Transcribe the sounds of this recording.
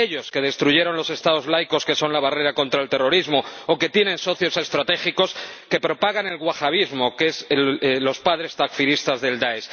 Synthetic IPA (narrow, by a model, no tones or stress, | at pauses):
eʎo̞ske̞ðe̞st̪ɾuʝe̞ɾo̞nlo̞se̞st̪aðo̞zβlajko̞ske̞so̞nlaβare̞ɾako̞nt̪ɾaelt̪e̞ro̞ɾizmo̞oke̞t̪je̞nẽ̞nso̞θjo̞se̞st̪ɾat̪e̞xiko̞ske̞pɾo̞paɣ̞ane̞lɣwaxaβ̞izmo̞ke̞slo̞spaðɾe̞st̪akfiɾist̪azðe̞ld̪aes